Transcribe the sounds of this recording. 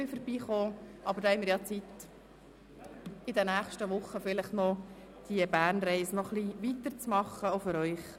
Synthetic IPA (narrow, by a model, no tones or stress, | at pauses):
fəɾb̥iːχoːʔɑb̥əɾd̥ɑːhɛɪmɪɾjɑt͡sit̪ | ɪd̪ɛnæχʃtəʋʊχːəfɪləχnɔ | d̪̥iəbæːɾnɾɛɪsənɔχliʋit̪əɾt͡smɑχːəofʏɾœʏχ